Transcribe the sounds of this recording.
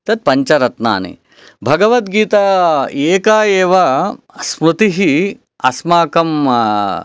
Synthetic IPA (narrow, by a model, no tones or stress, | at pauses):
t̪ɐt̪̚pɐɲt͡ʃɐɾɐt̪na̰ːnḭ | bʱɐɡɐʋɐt̪ɡiːt̪ɐeːkaːjeːʋɐ | smɾut̪iɦi | ɐsmaːkɐm